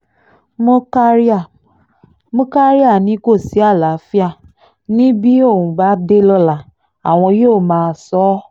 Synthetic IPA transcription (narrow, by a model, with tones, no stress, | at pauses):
mo˦ka˦ɾa˦˨ | mũ˦ka˦ɾi˦a˦˨nĩ˨˦ko˦˨si˨˦a˦˨la˨˦fi˦a˦˨ | nĩ˦bi˦o˦˨wũ˨ba˨˦de˦lɔ˦la˨ | a˨w̃ɔ̃˧joː˦˨mãː˧sɔ˨˦